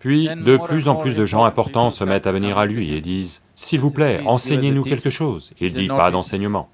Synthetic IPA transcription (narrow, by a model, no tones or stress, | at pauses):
pɥid̪əplyzɑ̃plysd̪əʒɑ̃ɛ̃pɔʁt̪ɑ̃səmɛt̪avəniʁalɥied̪iːz | silvuplɛɑ̃sɛɲenukʲɛlkəʃoːzed̪ipad̪ɑ̃sɛɲəmɑ̰̃